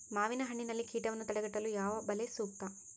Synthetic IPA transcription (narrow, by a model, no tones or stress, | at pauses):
maːʋinɐɦɐɳːinɐlːikʰiːʈɐʋɐnːut̪ɐɽɐɡɐʈːɐlujaːʋɐbɐlesuːk̚t̪ɐ